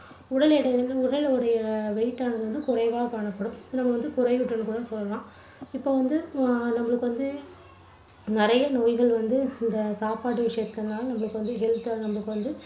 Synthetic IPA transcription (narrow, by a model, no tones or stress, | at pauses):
ʊɽɐɭɛɽɐʊɽɐɭɔɽɐjɐʋɛɪʈːaːnɐðɯʋɐnd̪ɯkʊrɐɪʋaːɐkaːɳɐpːɐɽɯ̃mnɐmːɐʋɐnd̪ɯkʊrɐɪʊʈːɐnːɯkuːɽɐsɔlːɐlãː | ɪpːoːʋɐnd̪ɯnɐmːɐɭɯkːɯʋɐnd̪ɯ | nɪɾɐjɐnoːjɣɐɭʋɐnd̪ɯɪnd̪ɐsaːpaːʈ̬ːɯʋɪʂɐjɐt̪ːɐnːaːlnɐmːɐɭɯkːɯʋɐnd̪ɯɦɛlt̪anɐmːɐɭɯkːɯʋɐnd̪ɯ